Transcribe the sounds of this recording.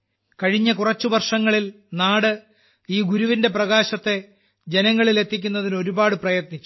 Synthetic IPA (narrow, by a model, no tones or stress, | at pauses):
kɐɻiɲːɐkurɐt͡ɕːuʋɐrʂɐŋːɐɭil | naːɽɨ | iːɡuɾuʋinde̞prɐɣaːɕɐt̪ːe̞ | d͡ʑe̞nɐŋːɐɭile̞t̪ːikʲːunːɐðino̞ɾubaːɽɨprɐjɐt̪nit͡ɕːu̥